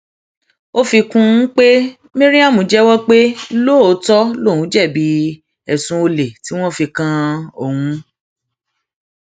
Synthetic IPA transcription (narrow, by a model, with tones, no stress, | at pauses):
o˦fi˧kũ˧˦k͡pe˦ | mĩ˦ɾĩ˦a˦˨mũ˨˦d͡ʒɛ˦wɔ˦k͡pe˦lo˦˨o˨˦tɔ˦lo˦˨ũ˨˦d͡ʒɛ˦˨bi˨˦ | ɛ˨sũ˨˧˦o˧le˨ti˨˦w̃ɔ̃˦fi˧kã˧o˦˨wũ˧˦